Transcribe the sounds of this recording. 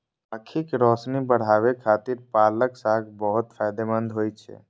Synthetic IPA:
əkʰikɾɔsnibəɽ̤aːʋekʰaːt̪iɾpaːləksaːɡʰbəɦʊt̪pʰajd̪emənd̪ʱɦoːjt͡ʃʰɛ̰

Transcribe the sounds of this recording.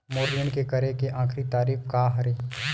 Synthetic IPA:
moːɾləɳ̃kekɐɾekeʔãːkʰɾit̪aːɾiːfkaɦɐɾeː

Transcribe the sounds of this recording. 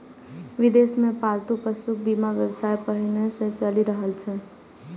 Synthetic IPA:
ʋɪd̪eːsmẽpaːɾt̪upəʃuk̚bimaʋjəwsaːjpəɦinesẽt͡ʃəliɾəɦəlt͡ʃʰɛ

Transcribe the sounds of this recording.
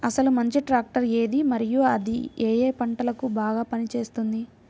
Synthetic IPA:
ɐsɐlumɐɲt͡ʃiʈɾaːk̚ʈɐɾe̞ːd̪imɐɾijuɐd̪ḭeːjeːpɐɳʈɐlɐkubaːɡaːpɐnit͡ʃe̞ːst̪und̪i

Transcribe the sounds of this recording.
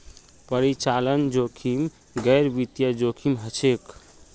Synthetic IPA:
pəɾit͡ʃalənd͡ʒokʰim | ɡɛɾbit̪jəd͡ʒokʰimɦət͡ʃʰek

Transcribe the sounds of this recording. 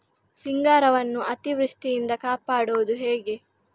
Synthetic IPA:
siŋɡaːɾɐʋɐnːuʔɐt̪iʋɾuʂʈijind̪ɐkaːpaːɽuʋud̪uɦeːɡe̞

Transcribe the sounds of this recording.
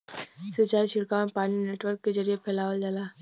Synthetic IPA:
sɪt͡ʃaːiʃɪɽkamẽpaːnineːʈwəɾkːed͡ʒɐɾijepʰɛːlaːʋəld͡ʒalaː

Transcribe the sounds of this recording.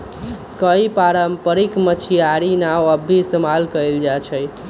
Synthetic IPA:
kəipaɾəmpəɾikmət͡ʃʰiaɾinawəbʱiːst̪emalkəild͡ʒat͡ʃʰəj

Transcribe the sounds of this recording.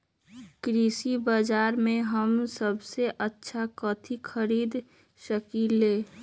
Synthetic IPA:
kɾisibad͡ʒaːɾmẽɦəmsəbseʔətːʃʰakət̪ʰikʰəɾiːd̪ | ʃəkileː

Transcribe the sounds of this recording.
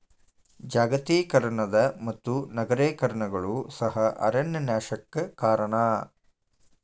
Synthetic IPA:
d͡ʒaːɡɐt̪iːkɐɾɐɳɐd̪ɐmɐt̪ːunɐɡɐɾeːkɐɾɐɳɐɡɐɭusɐɦɐʔɐ̰ɾɐnjɐnjaːʃɐkːɐkaːɾɐɳaː

